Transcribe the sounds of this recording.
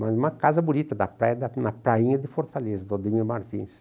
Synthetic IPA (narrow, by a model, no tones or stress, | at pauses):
mazũmɐkazɐbunit̪ɐd̪ɐpɾajd̪ɐnɐpɾaĩɲɐd̪ɪfoɾt̪alezɐd̪od̪iɲʊmaɾt̪ḭ̃s